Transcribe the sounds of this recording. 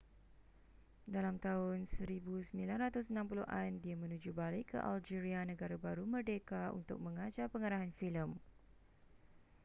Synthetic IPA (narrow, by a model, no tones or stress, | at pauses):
dalamt̪aʊnsəɾibusəmilanrat̪ʊsənãmpuluʔandiamə̃nũd͡ʒubalɪʔkʰːə̰ʔa̰ld͡ʒiɾianə̃ɡaɾabaɾumərdekaṵnt̪ʊ̰k̚mə̃ŋad͡ʒapəŋaɾaɦanfiləm